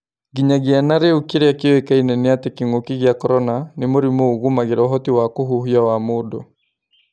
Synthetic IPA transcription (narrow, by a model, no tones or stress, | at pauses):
ɡiɲaɣeanaɾeukeɾeakeoekainɛneatɛkeŋokiɣjakɔɾɔnanemoɾimoɣumaɣeɾaɔɦɔtiwakoɦuɦiawamodo̰